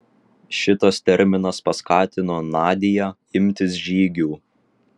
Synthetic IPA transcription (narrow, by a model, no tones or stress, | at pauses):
ʃʲɪt̪ɐst̪ʲɛɾʲmʲɪnɐspɐskɑːt̪ʲɪnoːnɑːd̪ʲɪjæː | ɪmʲt̪ʲɪs̬ʒʲiːɡʲuː